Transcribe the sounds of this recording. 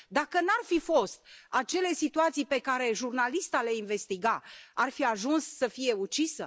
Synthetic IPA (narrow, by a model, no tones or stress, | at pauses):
d̪akənarfifo̞st̪̚at͡ʃe̞le̞sit̪uat̪sijpe̞kaɾe̞ʒurnalist̪aleinve̞st̪iɡaarfiaʒunsːəfije̞ut͡ʃisə